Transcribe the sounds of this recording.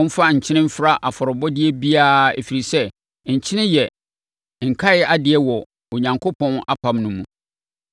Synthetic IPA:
m̩˦fa˦ɲ̩˨t͡ɕʰɪ̃˦nɪ̃˦m̩˦fɪ˦ɾa˦ʔa˨fɔ˨ɾʊ˨bɔ˦dɪ˦ɛ˦bi˦aː˦ḛ˨fi˨ɾi˨sɛ˦ | ɲ̩˨t͡ɕʰɪ˦nɪ̃˦jɛ˨ | ŋ̩˨kʰa˦ɪ˦a˦dɪ˨ɛ˦wɔ˨ | o˨ɲã˨ŋkʰo˦pʰɔ̃˦na̰˦pʰa˨˦mnʊ̃˦mũ˨

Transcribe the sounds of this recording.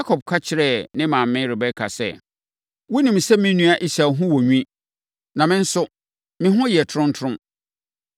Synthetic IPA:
ja˦kʰɔ˨b̚kʰa˦t͡ɕʰɪ˦ɾɛ˦˨nɪ̃˦mãː˨m˦mɪ̃˦ɾɪ˨bɛ˦kʰa̰˨sɛ̰˦ | wʊ˦nĩ˨m˨sɛ˦mɪ̃˦nũ˦a˦ʔi˦sa˨ɦʊ̃˦wɔ˨ɲᶣĩ˦ | nã˨mɪ̃˦n̩˦sʊ˦ | mɪ̃˦ɦʊ̃˦jɛ˨tʰʊ˨ɾʊ̃˦n̩˦tʰʊ˦ʊ̃˦m

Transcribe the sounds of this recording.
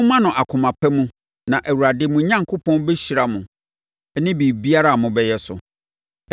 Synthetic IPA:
mã˦nʊ̃˨ʔa˨kʰʊ̃˨mã˨pʰæ˦mũ˦ | nã˨ʔæ˨wu˨ɾa˨dɪ˨˦mũ˨˦ɲã˦ŋkʰo˦pʰɔ̃˦nbɛ˦ɕi˨ɾa˨mʊ̃˨˦ | nɪ̃˦biː˨bi˦a˦ɾa˦˨mʊ̃˨bɛ˦jɛ˦sʊ̰˨

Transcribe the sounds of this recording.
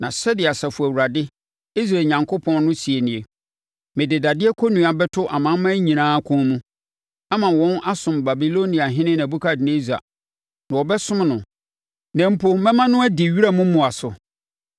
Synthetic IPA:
nã˨sɛ˦dɪ˨a˨sa˨fu˨æ˨wu˨ɾa˨dɪ˦ | i˦s̬ɾa˨ɲã˨ŋkʰo˦pʰɔ̃˦nnʊ̃˦si˨e˨nĩ˨e˨ | mɪ̃˨dɪ˨da˨dɪ˦ɛ˦kʰo˦nũ˨a˨bɛ˦tʰʊ˦ʔa˨mã˨˦mã˦ɲĩ˨nãː˦kʰʊ̃˦mũ˦ | a˦mã˨wɔ̃˦nʔa˦sʊ̃˨mba˨bi˨lo˦nĩ˨a˨ɦɪ̃˦nɪ̃˦n˨æ˨bu˦kʰa˦˨dɪ˨ne˦za̰˨ | nã˨wɔ˨bɛ˦sʊ̃˦mnʊ̃˨ | nɛ̃˨m̩˦pʰo˦mɛ̃˦mã˦nʊ̃˦æ˦dɪ˨ɥi˦ɾa˦mũ˦mʊ̃˨a˨sʊ˨

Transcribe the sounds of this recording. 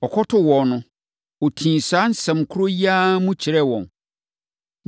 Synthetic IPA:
ɔ˨kʰɔ˦tʰʊ˦wɔ˨nʊ̃˨ | o˨tʰĩː˨saː˨˦n̩˦sɛ̃˨mkʰʊ˦ɾo˦ji˦a˦mũ˦t͡ɕʰɪ˨ɾɛ˦wɔ̃˨n

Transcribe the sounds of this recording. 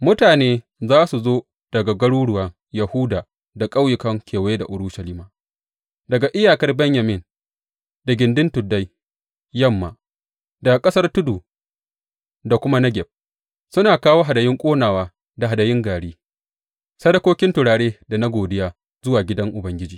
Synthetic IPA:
mʊ˦taː˨neː˦ | zaː˦su˨zoː˦ | d̥ɐ˨ɡa˨ɡɐ˦ɽuː˦ɽʊ˦waː˨ | jɐ˨hʊ˦daː˨ | da˨kʼa˦wjɪ˨kɐ˦ŋkʰʲeː˨wje˦da̰˨ʔʊ˨ɾʊ˦ʃɐ˨liː˦maː˨ | dɐ˨ɡa˨ʔɪ˦jaː˨kɐ˦rbɛ˦ɲjɐ˨mɪ˦˨n | da˨ɡʲɪ˨ndɪ˦ntʊ˨dːa˦j | jɐ˦mːa̰ː˨ | da˨kʼɐ˦sɐ˦rtʊ˦duː˨ | da˨kʷʊ˦ma˦nɐ˦ɡʲɛ˨b̚ | sʊ˦naː˨kaː˦woː˦ɦa˨dɐ˨jɪ˦ŋkʷʼoː˦naː˨waː˦ | da˨ɦa˨dɐ˨jɪ˦ŋɡaː˨ɽiː˦ | sɐ˦dɐ˦kʷoː˦kʲɪ˦ntʊ˨ɽaː˨ɽeː˦da˨na˦ɡʷoː˨dɪ˦jaː˨ | zʊ˦waː˨ɡʲɪ˦dɐ˦ŋʔʊ˨bɐ˦ŋɡʲɪ˦d͡ʒiː˨

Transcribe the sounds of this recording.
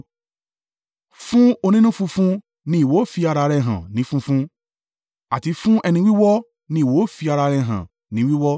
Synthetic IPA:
fũ˦o˧nĩ˦nũ˦fũ˧fũ˦ | nĩ˧˦i˨wo˨˦fi˧a˧ɾa˧ɾɛ˧˨ɦã̰˨nĩ˨˦fũ˦fũ˦ | a˨ti˨˦fũ˦ʔɛ˧nĩ˧˦wi˦wɔ˦ | nĩ˧˦i˨wo˨˦fi˧a˧ɾa˧ɾɛ˧˨ɦã̰˨ | nĩ˨˦wi˦wɔ˦

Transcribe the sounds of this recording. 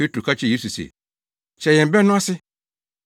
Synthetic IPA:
pe˦tɾu˨ka˦t͡ʃɪ˦je˦su˨sḛ˨ | t͡ʃɛ˨jɛ̃˨m̩˨bɛ˦nʊ̃˦a˦sɪ˦

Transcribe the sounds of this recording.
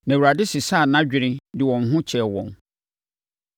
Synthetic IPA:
nã˨wu˨ɾa˨dɪ˦sɪ˨sa˦˨nã˦d͡ʑᶣɪ˨ɾɪ̃˦dɪ˨wɔ̃˨n˨ɦʊ̃˦t͡ɕʰɛ˨wɔ̰̃˨n

